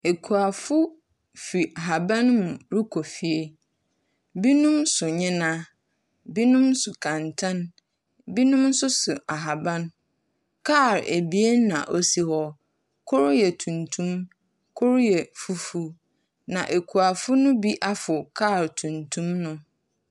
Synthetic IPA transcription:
e˨kʰu˨a˨fʊ˦ | fi˨ʔa˨ɦa˨bã˦nmũ˨ɾi˦kʰo˨fi˨e˦ | bi˦nʊ̃˦msʊ˨ɲɪ̃˦nã˦ | bi˦nʊ̃˦msʊ˨kʰã˨ntʰã˦n | bi˦nʊ̃˦m˦sʊ˦sʊ˨ʔa˨ɦa˨bã˦n | kʰa˦˨ɾḛ˨bi˦e˦nã̰˨ʔo˦si˦hɔ˦ | kʰʊ˦ɾjɛ˨tʰũ˨ntʰũ˦m | kʰʊ˦ɾjɛ˨fu˦fu˦ | nã˨ʔe˨kʰu˨a˨fʊ˦nʊ̃˦bi˦ʔa˦fʊ˨kʰa˦˨ɾtʰũ˨ntʰũ˦mnʊ̃˦

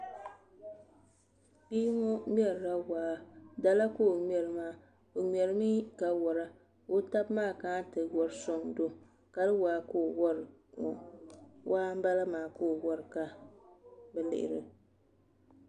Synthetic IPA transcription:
biː˦ŋɔ˦m˦ɛ˦ɾɾa˦waː˨da˦la˦koː˦˨mɛ˨ɾɨ˦maː˦ | o˨mɛ˨ɾɨ˦miː˦ka˨wɔ˨ɾa˦ | o˦ta˦bmaː˦˨kaː˦tɨ˨wɔ˨ɾɨ˦so˦˨ŋdo˦ | ka˨lɨ˦waː˨˦ko˦˨wɔ˦ɾ | ŋɔ̰˨wʔaː˦m̩˦ba˦la˦maː˨ko˦˨wɔ˦ɾɨ˨ka˨ | bɛ˨lɪ̰˦ʔɪ̰˨ɾɨ̰˨

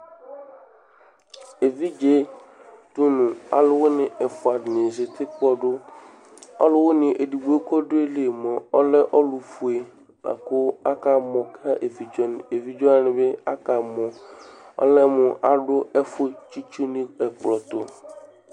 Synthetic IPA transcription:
e˨vi˦d͡ʒe˦tʊ˦nʊ̃˨a̰˨lʊ˦wʊ˦nɪ̃˨ɛ˨fʊ˨a˨dɪ˨ne˨ze˨t̪ʰɪ˦kʊ˦ɔ˦dʊ˦ | ɔ̰˦lʊ˦wʊ˦nɪ̃˨ʔe˨di˨bu˨˦e˦kʰɔ˦dʊ˦e˦le˨mɔ̃˨ɔ˦lɛ˦ʔɔ˦lʊ˨fu˨e˨ | la̰˨kʊ˦a˦ka˨mɔ̃˨kʰa˦ʔe˨vi˨d͡ʒɔ˦nɪ˨e˨vi˦d͡ʒɔ˦a˦nɪ̃˨bɛ˦a˦ka˨mɔ̃˨ɔ̰˦lɛ˦mʊ̃˨ʔa˨ɖʊ˦ɛ˦fʊ˦t͡ʃi˦t͡ʃu˦nɪ̃˦ɛ˨klɔ˨tʊ˨

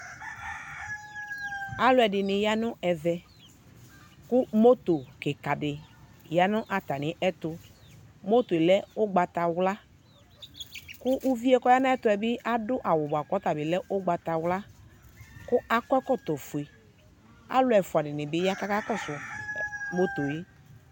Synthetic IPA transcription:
a˦lʊ˦ɛ˨dɪ˨nɪ˨ja˦nʊ˦ɛ˨vɛ˨ | kʊ˦mo˦t̪o˨kɪ˨ka˨dɪ˨ | ja˨nʊ̃˦ʔa˨t̪a˨nɪ̃˨˦ʔɛ˦t̪ʊ˨ | mo˦t̪o˨e˨lɛ˦ʊ˦ɡ͡ba˨t̪a˨wla˦ | kʊ˦ʔu˦vi˦ɛ˦kɔ˦ja˦nã˦ɛ˦t̪ʊ˨˦ɛ˨bɪ˦ʔa˦dʊ˦ʔa˨wʊ˨ba˨kɔ˨˦t̪a˨bɪ˨lɛ˦ʔʊ˦ɡ͡ba˨t̪a˨wla˦ | kʊ˦a˦kɔ˦ɛ˦kɔ˦˨t̪ɔ˨fʊ˨e˨ | a̰˦lʊ˦ɛ˨fʊ˨a˨dɪ˨nɪ̃˨bɪ˦ja˦ka˦ka˦kɔ˦˨sʊ˨ | mo˦t̪o˨ji˦

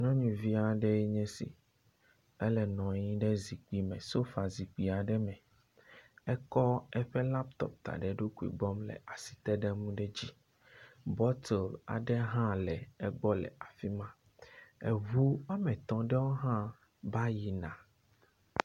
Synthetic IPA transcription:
ɲɔ̃˦ɲũ˨vi˦a˨ɖɛ˦jɛ˦ɲɛ̃˦sḭ˨ | ɛ˦lɛ˨nɔ̃˨ɲĩ˦ɖɛ˦zi˨k͡pi˦mɛ̃˨so˦fa˨zi˨k͡pi˨a˨ɖɛ˦mɛ̃˨ | ɛ˦kɔ˦ɛ˦ɸɛ˦la˦pt̪ɔ̰˨p̚t̪a̰˨ɖɛ˨ɖo˦ku˨ḭ˨ɡ͡bɔ˦mlɛ̰˨ʔa˨si̥˨t̪ɛ˦ɖɛ˦mũ˦ɖɛ˦d͡ʑi˦ | bɔ˦t̪ʰɛ˨la̰˨ɖɛ˦ɦã˦lɛ˨ɛ˦ɡ͡bɔ˦lɛ̰˨a˨fi˦mã˦ | ɛ̰˨vu˦a˦mɛ̃˨t̪ɔ̃˨ɖɛ˦wo˦ɦã˦ | ba˦ji˨nã̰˨

